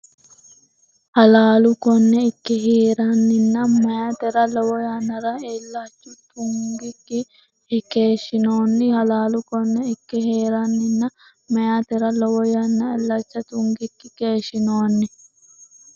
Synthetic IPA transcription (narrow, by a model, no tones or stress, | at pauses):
hɐlaːlʊkɔnːɛɪkːɛɦeːɾanːɪnːɐmɐjaːt̪ɛɾɐlɔwɔjaːnːɐɾɐelːat͡ʃːʊt̪ʊŋɡɪkːɪ | keːʃːɪnoːnːɪhɐlaːlʊkɔnːɛɪkːɪheːɾɐnːɪnːɐ | mɐjaːt̪ɛɾɐlɔwɔjɐnːɐɛlːɐt͡ʃːɐt̪ʊŋɡɪkːɪkeːʃɪnoːnːɪ